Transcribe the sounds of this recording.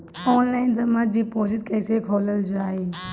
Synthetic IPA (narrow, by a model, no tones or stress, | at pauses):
ɔːnlaːɪnzɐmət̪̚d͡ʑiːpoːd͡ʒɪskɐɪsekʰoːləld͡ʒoaːɦeː